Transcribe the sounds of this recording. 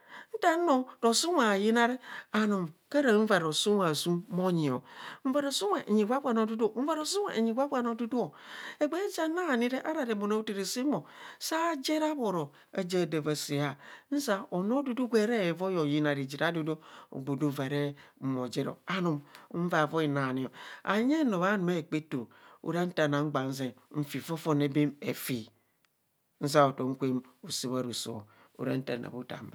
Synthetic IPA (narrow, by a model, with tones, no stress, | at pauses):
n̩˦ta˦no˨ɾo˨su˦a˨ji˦na˦ɾi˦a˨nu˨mka˦ɾa˨˦m̩˦va˨ɾo˨su˦ma˨su˦mmo˦ɲi˨o̰˨ɱ̩˦va˨ɾo˨su˦we˨ʔɲi˨ɡʷa˦kʷa˨no˦du˦du˦˨m̩˦va˨ɾo˨su˦ḛ˨ɲi˨ɡʷa˦ka˨no˦du˦du˦o˨e˨ɡ͡be˦d͡ʒa˦na˦˨ni˦ɾe˦ʔa˦ɾa˨ɾe˨bo˨no˦u˦ti˨ɾi˨si˦mo˨sa˦d͡ʒe˦ɾa˦βo˨ɾo˨ | e˨d͡ʒe˦˨de˨va˨si˨a˨n̩˦sa˦o˨no˦du˦du˦ɡʷe˦ɾe˦˨vo˦jo˨ji˦na˨ɾi˨d͡ʒi˨ɾa˦du˦do˦o̰˨ɡ͡bu˨du˦ve˨ɾe˦m̩˨mo˨d͡ʒe˦ɾo̰˨a˦nu˨m˦m̩˦va˦˨vo˦i˨na˨ni˨o˨a̰˨ɲe˦no˨βa˦nu˨me˦˨k͡pe˦to˨ṵ˦ɾa˦n̩˦ta˨na˨ŋ͡m̩˦ɡ͡ba˨n̩˦z̬e˨m̩˦fi˨fo˦fo˦ne˦be˦mḛ˨fi˨ | n̩˦z̬a˦o˨to˨ŋ̩˦kʷe˦mu˨si˦βa˨ɾu˨so̰˨ | ṵ˨ɾa̰˦n̩˦ta̰˨na̰˨bu˦ta̰˨m̩˦ba˨